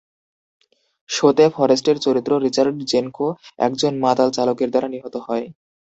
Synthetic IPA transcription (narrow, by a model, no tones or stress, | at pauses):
ʃot̪efʰɔɾesʈeɾt͡ɕoɾit̪ːɾoɾit͡ɕaɾɖd͡ʑenkʰoɛ̰kd͡ʑonmat̪alt͡ɕalokeɾd̪aɾaniɦot̪oɦɔe